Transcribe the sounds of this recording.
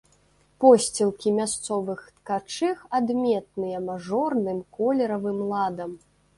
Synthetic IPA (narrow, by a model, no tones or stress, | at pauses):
pɔsʲt͡sʲilˠkʲimʲast̪sɔvɨxt̪kat͡ʂɨxad̪mʲɛt̪̚nɨjɐmaʐɔrnɨmkɔlʲɛɾɐvɨmlˠad̪ɐm